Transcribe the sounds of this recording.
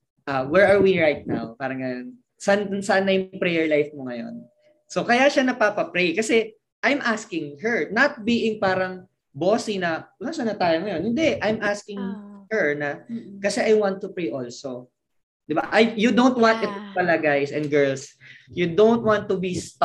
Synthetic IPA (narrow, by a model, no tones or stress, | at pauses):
ʔawɛɹɐɹwiɹajt̪̚na̰wpaːɾɐŋːɐjon | sɐnsɐʔanɐjʊŋŋpɾɛjɛɹlajfmoŋɐjo̞̰n | sokɐjaʃanɐpapɐpɾejkɐsɛ | ʔajmʔaskɪŋhɛɹnɐt̪̚biːʔɪŋpaːɾɐŋ | boːsinɐʔʊlasɐnɐt̪aːjoŋɐjonhɪnd̪ɛʔajmʔaskɪŋhɛɹnɐkɐsɛʔɐjwant̪ːʊpɹejʔolso | d̪ɪbaʔajjʊd̪ownt̪̚wãnt̪ɪt̪pɐlaɡajsɛ̃nd̪̚ɡɛɹlsjud̪ownt̪̚want̪ːʊbist̪